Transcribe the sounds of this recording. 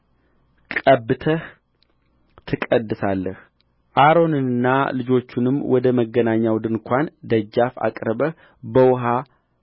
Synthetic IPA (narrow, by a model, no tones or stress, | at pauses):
kʼəbːɨt̪ʰəh | t̪ʰɨkʼəd̪ːɨsalːəh | ʔaɾo̞nɨɨnːalɨd͡ʒo̞t͡ʃːunɨmːwɔd̪əməɡːənaɲːawd̪ɨnkʷʰand̪əd͡ʒːafa̰kʼɾəbə | bəwʊɦa